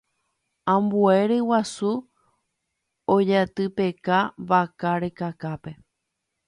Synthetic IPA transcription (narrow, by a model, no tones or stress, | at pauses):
ãmbue̞ɾewasu | od͡ʒat̪ɨpe̞kaʋakaɾekakape̞